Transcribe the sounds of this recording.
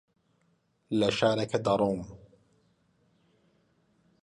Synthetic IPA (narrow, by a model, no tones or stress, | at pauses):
laʃaːɾɑkad̪ɑɾˤuːm